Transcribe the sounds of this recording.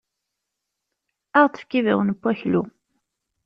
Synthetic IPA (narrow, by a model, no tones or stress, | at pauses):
aʁt̪ˤə̥fkivḭwnəpːæçlu